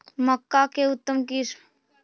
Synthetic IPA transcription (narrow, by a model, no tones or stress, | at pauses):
məkːakeʊt̪ːəmkiɾ